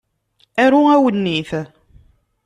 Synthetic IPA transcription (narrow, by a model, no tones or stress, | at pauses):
æɾuæwənːiθ